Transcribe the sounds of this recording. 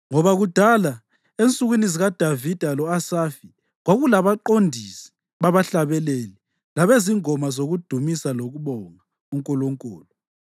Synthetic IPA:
ŋɔβaɣud̥ʱala | ent͡sʼuɣwiniziɣad̥ʱavid̥ʱalɔasafi | ɣwaɣulaβaǃondʱisi̥ | βaβaɬaβɛleːli | laβeziŋɔmazoɣud̥ʱumisaloɣuβɔŋa | uŋkʼɔlɔŋkʼɔːlɔ

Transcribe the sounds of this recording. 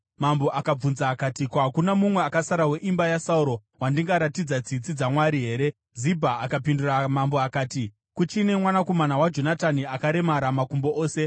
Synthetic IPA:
mambo̞ʔakab͡vunzaːkatikuɦakunamumwe̞akasaɾawe̞ʔimbajasauɾo̞ | wandiŋɡaɾatid͡zad͡zit͡sid͡zamwaɾiɦe̞ːɾe̞ | zibʱaːkapinduramamboakaːti | kut͡ʃine̞mwanako̞manawad͡ʒo̞nataniakaɾe̞maɾamakumboʔoːse̞

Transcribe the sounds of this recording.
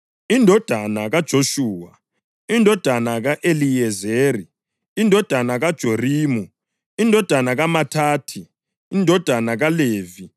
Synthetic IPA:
indʱɔd̥ʱanaɣad̥ʒ̥ʱoʃuːwa | indʱɔd̥ʱanaɣaʔeliɛzeːri | indʱɔd̥ʱanaɣad̥ʒ̥ʱoriːmu | indʱɔd̥ʱanaɣamatʰaːtʰi | indʱɔd̥ʱanaɣaleːvi

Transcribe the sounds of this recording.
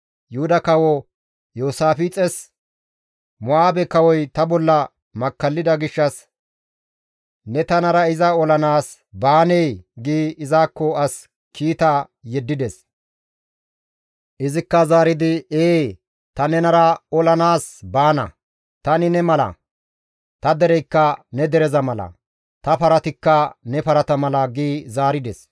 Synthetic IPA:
jʊhʊd̪ɐkɐwɔ | joːsaːfit͡sʼɛs | mʊʔaːbɛkɐwɔjt̪ɐbɔlːɐ | mɐkːɐlːɪd̪ɐɡɪʃːɐs | nɛt̪ɐnɐɾɐɪzɐɔlɐnaːs | baːnɛjɡiːɪzaːkːɔɐs | kʰiːt̪aː | jɛd̪ːɪd̪ɛs | ʔɪzɪkːɐzaːɾɪd̪ɪeː | t̪ɐnɛnɐɾɐɔlɐnaːsbaːnɐ̰ | t̪ɐnɪnɛmɐlɐ̰ | t̪ɐd̪ɛɾɛjkːɐnɛd̪ɛɾɛzɐmɐlɐ̰ | t̪ɐpɐɾɐt̪ɪkːɐnɛpɐɾɐt̪ɐmɐlɐɡiːzaːɾɪd̪ɛs

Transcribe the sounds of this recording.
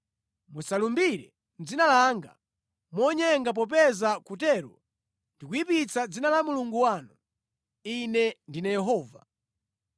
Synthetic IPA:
musalumbiɾɛ | nd͡zinalaŋɡa̰ | mɔɲɛŋɡap̬ɔp̬ɛzakutɛɾɔ̰ | ndikuipit͡sʰad͡zinalamuluŋɡuwanu | inɛndinajɛɦɔːva

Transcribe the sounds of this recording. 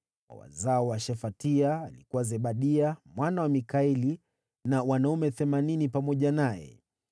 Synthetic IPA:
a̰wa̰zaɔwaʃɛfatiaːlikuwazɛɓaɗiamwanawamikaili | nawanaumɛθɛmaninipamɔʄanajɛ̰

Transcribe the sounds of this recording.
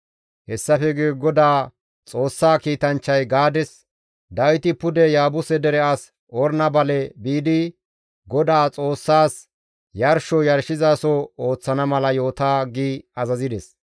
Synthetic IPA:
hɛsːɐfɛɡeːɡɔd̪aː | t͡sʼo̞ːsːaːkiːt̪ɐnt͡ʃːɐjɡaːd̪ɛs | d̪ɐwɪt̪ɪpʊd̪ɛjaːbʊsɛd̪ɛɾɛʔas | ɔɾnɐbɐlɛbiːd̪ɪ | ɡɔd̪aːt͡sʼo̞ːsːaːs | jɐɾʃɔjɐɾʃɪzaːsɔoːt͡sːɐnɐmɐlɐjo̞ːt̪aːɡiːɐzɐzɪd̪ɛs

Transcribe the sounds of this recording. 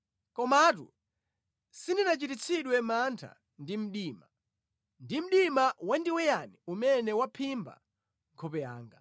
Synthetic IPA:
kɔmatṵ | sindinat͡ʃitit͡sʰiɗwɛmantʰa̰ | ndim̩ɗiːma | ndim̩ɗimawandiwɛjaniumɛnɛwapʰimba̰ | ŋkʰɔpɛja̰ːŋɡa

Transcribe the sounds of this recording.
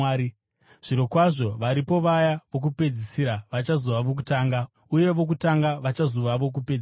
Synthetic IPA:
i | ʐ̥iɾo̞kwaʐo̞ʋaɾipo̞ʋajaʋo̞k̬upe̞d͡zisiɾaʋat͡ʃazoʋaʋok̬utaːŋɡa | uje̞ʋo̞k̬utaŋɡaʋat͡ʃazoʋaʋo̞k̬uped͡z

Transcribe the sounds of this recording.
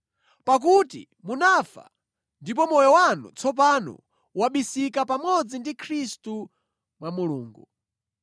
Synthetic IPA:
pak̬utḭ | munafa̰ | ndipɔmɔjɔwanṵt͡sʰɔp̬anɔ̰ | waɓisikapamɔd͡zindikʰɾistu | mwamuluːŋɡṵ

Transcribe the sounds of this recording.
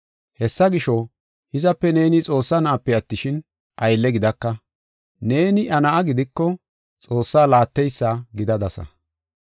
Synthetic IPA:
hɛsːɐɡɪʃɔ | hɪzɐpːɛne̞ːnɪt͡sʼo̞ːsːanɐʔɐpːɛɐt̪ːɪʃɪn | ʔɐjlːɛɡɪd̪ɐkːɐ | ne̞ːnɪʔɐnɐʔɐɡɪd̪ɪkːɔ | t͡sʼo̞ːsːaːlaːt̪ːɛjsːaːɡɪd̪ɐd̪ɐsɐ̰

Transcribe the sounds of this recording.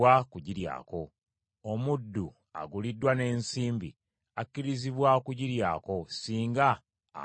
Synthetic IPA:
akuɟiɾja̰ːko̞ | omudːu | a̰ɡulidːwane̞ːnsiːmbḭ | akːiɾiziβwakuɟiɾjaːko̞siːŋɡa̰ː

